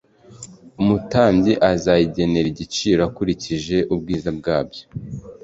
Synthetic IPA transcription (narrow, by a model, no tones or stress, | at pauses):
umutaːɲɟiʔazajiɟe̞ne̞ɾiɟit͡ʃiːɾakuɾiciʒe̞ʔubɡiːzab̚ɡaːbjo